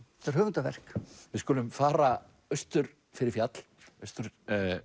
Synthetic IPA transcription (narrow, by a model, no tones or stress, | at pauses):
ɛt̪aɾhʏːvʏnt̪avɛ̰r̥kvɪðskʊːlʏmfaːɾa | œst̪ʏɾ | fɪɾɪɾfjat̪l | œst̪ʏɾ